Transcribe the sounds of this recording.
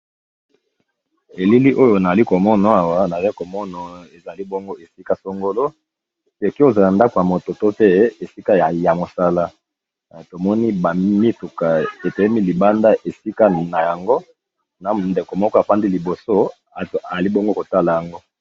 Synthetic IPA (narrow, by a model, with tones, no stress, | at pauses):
e˨li˦li˦ʔo˦jo˨na˨a˨li˦ko˨mɔ˦na˨a˨wa˦na˨a˦ko˨mɔ˦na˨e˨za˨li˦bɔ˦ŋɡo˦e˨si˦ka˦so˦ŋɡo˦lo˦ | se˨ki˦o˨za˨la˨nda˦ko˨ja˨mo˨to˨to˦pe˦e˨si˦ka˦ja˨ja˨mo˨sa˦la˦˨ | to˨mɔ˦ni˦ba˨mi˦tu˨ka˨e˨tɛ˨ɛ˦mi˦li˨ba˦nda˦ʔe˨si˦ka˦na˨ja˨ŋɡo˦ | na˨nde˨ko˨mɔ˦kɔ˦a˨pa˦ndi˦li˨bo˨so˦˨ | a˨a˨li˦bɔ˦ŋɡo˦ko˨ta˦la˨ja˨ŋɡo˦